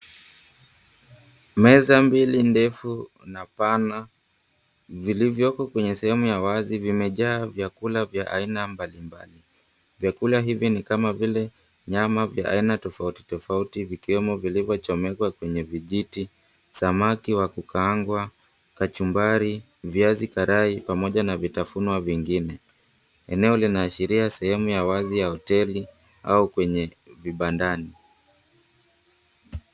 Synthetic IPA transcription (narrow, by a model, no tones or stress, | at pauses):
mɛzambilindɛfu | napana | vilivjɔkɔkwɛɲɛsɛhɛmujawazivimɛʄaːvjakulavjaʔa̰inambalimba̰li | vjakulaɦivinikamavilɛ | ɲamavjaʔa̰inatɔfauti̥tɔfautivikiwɛmɔvilivjɔt͡ʃɔmɛkwakwɛɲɛviʄiti | samakiwakukaŋɡwa | kat͡ʃumbaɾi | viazikaɾaipamɔʄanavitafunwaviŋɡinɛ | ɛ̰nɛɔlinaːʃiɾiasɛhɛmujawazijahɔtɛli | a̰ukwɛɲɛviɓandani